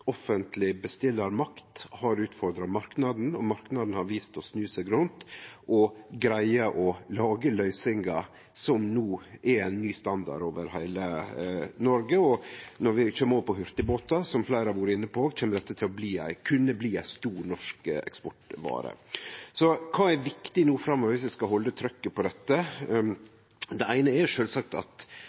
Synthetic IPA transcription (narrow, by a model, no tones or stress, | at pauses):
ɔfənt̪lɪbəst̪ɪlːəɾmɑkt̪hɑɾʉːt̪fɔɾd̪ɾɑmɑɾknɑd̪n̩ɔmɑɾknɑd̪n̩hɑɾʋiːst̪ɔsnʉːsæɡɾʉnt̪ʔɔɡɾæɪəʔɔlɑːɡəlœʏsɪŋɡɑ | sɔmnuːʔɛæɪnːyːst̪ɑnd̪ɑ̰ɾoːʋə̰ɾhæɪlə | nɔɾɡəɔnɔɾʋɪt͡ʃøːmːəɔʋəpʰɔɦʏɾt̪əboːt̪ɑsɔmflæɪɾɑʋuːɾəɪnːəpʰɔt͡ʃʰɛːmːəɾd̪ɛt̪ːət̪ʰɪlɔbliːæ̰ɪkʰʉnːəbliːæɪst̪uːɾnɔʂkɛ̰kspɔʈʋɑ̰ːɾə̰sɔkʰɑːɛɾʋɪkt̪ɪnuːfɾɑmːɔʋʋɪsʋɪskɑɦɔlːət̪ʰɾœkːəpʰɔd̪ɛt̪ːə | d̪ɛæɪnəɛɾʂøːlsɑk̚t̪ɑ̰t̪